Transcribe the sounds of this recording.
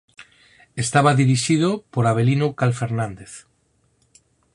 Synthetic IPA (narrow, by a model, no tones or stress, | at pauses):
est̪aβaðiɾiʃið̞opoɾaβ̞elinokalfeɾnãnd̪eθ